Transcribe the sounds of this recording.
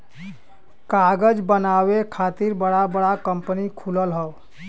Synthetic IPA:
kaɡəd͡ʒbənawekʰat̪iɾbəɽabəɽakəmpənikʰuləlɦəw

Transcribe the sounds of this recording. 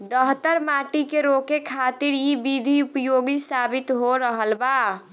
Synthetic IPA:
d̪əɦt̪əɾmaʈikeɾokekʰat̪iɾibid̪ʱiupjoɡisabit̪ɦoɾəɦəlba

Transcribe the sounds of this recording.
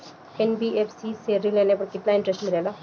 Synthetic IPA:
ɛnbiːepʰsiːseɾileːnẽpəkɪt̪naːɪ̃ɳʈɾɛsʈmɪlɛːla

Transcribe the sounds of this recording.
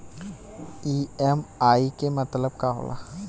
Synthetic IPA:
iɛmaːikemət̪ləb̚kaɦo̰ːlʔa̰

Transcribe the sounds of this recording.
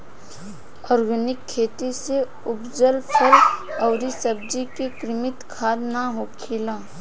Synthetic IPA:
ɔːɾɡənɪkʰːeːt̪ise | ʊpd͡ʒəlpʰɐɾɐːɾisəb̚d͡ʒikekɾɪmɪt̪kʰaːd̪naɦoːkʰɪlaː

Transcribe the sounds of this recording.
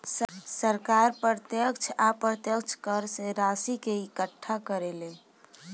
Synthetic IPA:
ssəɾkaɾpɾət̪jəkt͡ʃʰapɾət̪jəkt͡ʃʰkəɾseɾasikeikəʈʰːakəɾelẽ

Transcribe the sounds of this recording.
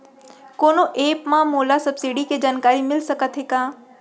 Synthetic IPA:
koːnoʔeːpmãmoːlasɐbsiɖiked͡ʒaːnkaːɾimɪlsəkət̪ɦekaː

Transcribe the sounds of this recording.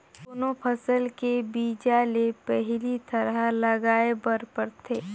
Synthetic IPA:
oːnopʰəsəlkebiːd͡ʒalepɛɦlit̪ɐɾalɐɡaːebɐɾpəɾt̪ʰeː

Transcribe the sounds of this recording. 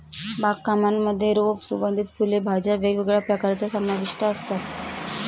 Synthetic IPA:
bakːamamːəd̪ʱːjeɾopsubənd̪ʱit̪̚pulebʱad͡ʑaʋeɡʋeɡɭjapɾəkaɾt͡ɕasamnaʋiʂʈaəst̪at̪

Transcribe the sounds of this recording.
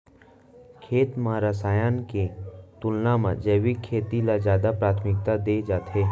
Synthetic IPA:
kʰeːt̪mɐɾaːsaːjanket̪ʊlnamãd͡ʒeːʋikʰeːt̪ilazjaːd̪apɾaːt̪ʰmɪk̚t̪ad̪eːd͡ʒaːt̪ɦeː

